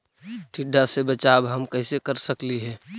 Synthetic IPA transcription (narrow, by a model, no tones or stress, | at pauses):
ʈʰɪɖʱːasebət͡ʃaːbɦəmkəɪsekəɾsəkliɦɛː